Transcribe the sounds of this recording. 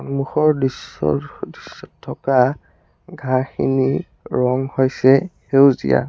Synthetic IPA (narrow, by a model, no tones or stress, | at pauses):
ɔnmuxɔɹdisɔ̰disːɔtʰːɔka | ɡʱaxḭni | ɹɔŋhojsɛhewzḭja̰